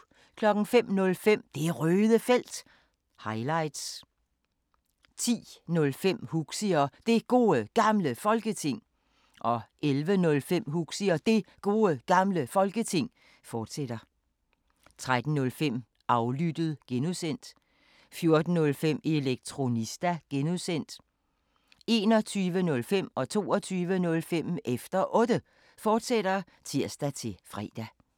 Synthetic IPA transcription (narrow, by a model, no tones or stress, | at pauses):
kʰlɒ̽ɡ̥n̩fem̰nɔ̽lfem̰d̥e̝æʁøːðˠəfel̰d̥ | hɑ̈ɪlɑ̈ɪd̥s | t͡sʰḭːnɔ̽lfem̰huɡ̥siɐd̥e̝ɡ̥o̝ːəɡ̥ɑ̈mləfɒ̽lɡ̥ət͡sʰe̝ŋ̰ | ʔɒ̽ʔelʋənɔ̽lfem̰huɡ̥siɐd̥e̝ɡ̥o̝ːəɡ̥ɑ̈mləfɒ̽lɡ̥ət͡sʰe̝ŋ̰ | fɒːd̥sed̥ɐ | t͡sʰʁad̥n̩nɔ̽lfem̰ | ɑ̈ʊlyd̥əð̞̩ˠɡ̥enusen̰d̥ | fjo̝ɐd̥n̩nɔ̽lfem̰e̝leɡ̥̚t͡sʰʁo̝nisd̥æɡ̥enuðˠsen̰d̥ | e̝ːnɒ̽t͡sʰyːʋənɔ̽lfem̰ɒ̽t͡sʰo̝̰ːɒt͡sʰyːʋənɔ̽lfem̰efd̥ɐʔɔ̽ːd̥ə | fɒːd̥seɾ̥ɐ | t͡sʰiɐ̰sd̥æt͡sʰe̝fʁɛ̰ːd̥æ